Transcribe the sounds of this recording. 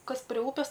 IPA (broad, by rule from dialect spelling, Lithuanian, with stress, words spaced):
ˈkɐs pʲrʲɪ ˈuːpʲɪs